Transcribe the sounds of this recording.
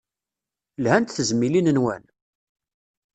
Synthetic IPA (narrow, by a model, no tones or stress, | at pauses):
lhænt̪θəzmːilinənwæ̰n